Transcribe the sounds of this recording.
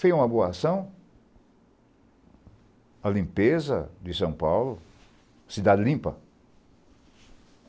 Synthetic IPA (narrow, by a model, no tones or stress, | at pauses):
fejũmɐboɐasɐ̃w̃ | ɐlĩmpezɐ̰d͡ʒ̪ɪsɐ̃w̃pawlʊ | ɐsid̪ad̪ɪlĩmpɐ̰